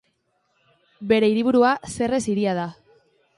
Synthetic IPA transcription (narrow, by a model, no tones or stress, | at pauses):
be̞ɾe̞iɾiβ̞uɾuase̞re̞siɾiað̞a